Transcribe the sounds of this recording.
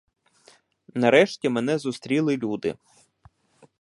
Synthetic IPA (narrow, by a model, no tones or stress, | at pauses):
nɐɾɛʃtʲimɛnɛzʊst̪ɾʲilˠɪlʲud̪ɪ̰